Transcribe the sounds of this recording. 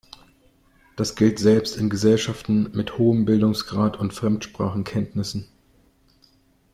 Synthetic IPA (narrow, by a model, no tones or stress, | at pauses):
d̥asɡ̥ɪltz̥ɛlpstɪnɡəzɛlʃaftn̩mɪthoːəmbɪldʊŋsɡ̥ʁaːtʰʊntfʁ̥ɛmtʃpʁ̥a̰ːχn̩kʰɛntnɪsn̩